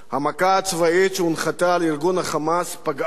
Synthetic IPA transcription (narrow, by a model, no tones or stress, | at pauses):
hamakaːt͡svaet͡ʃunχat̪aliɾɡunhaχamaspaɡ